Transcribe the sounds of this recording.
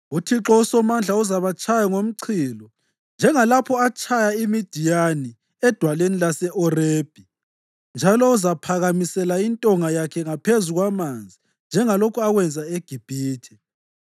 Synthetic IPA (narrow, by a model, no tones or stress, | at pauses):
utʰiǁɔusɔmand͡ɮʱauzaβat͡ʃʰʼajɔŋom̩ǀʰiːlɔ | nd͡ʒʱɛŋalapʰɔat͡ʃʰʼajaimid̥ʱijani | ɛd̥ʱwalenilasɛʔɔreːb̥ʱi | nd͡ʒʱalɔuzapʰaɣamisɛlaintʼɔŋajakʰɛŋapʰezuɣwamand͡zʱi | nd͡ʒʱɛŋalokʰuaɣwɛnd͡zʱaeɡ̥ʱib̥ʱiːtʰɛ